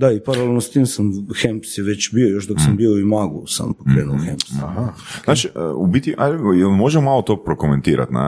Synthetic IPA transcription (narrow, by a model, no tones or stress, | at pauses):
d̪aipaɾalelˠnost̪iːmsamxempsjɛʋet͡ɕbiojoʃd̪oksambioimaːɡṵsa̰mpokɾeːnuoxempsahaznaːt͡ʃiə̰ubit̪iʔajelmoʒemomalˠot̪oːpɾokoment̪iːɾa̰t̪na̰